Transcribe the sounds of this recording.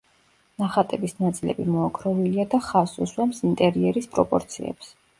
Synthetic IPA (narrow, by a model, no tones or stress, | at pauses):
naχat̪ʼɛbisnat̪sʼilɛ̰bimɔakʰɾɔviliad̪aχasuswamsint̪ʼɛɾiɛɾispʼɾɔpʼɔɾt̪sʰiɛ̰ps